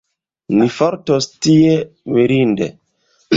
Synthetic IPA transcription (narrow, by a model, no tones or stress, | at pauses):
nifɔɾtostiewiɾindḛ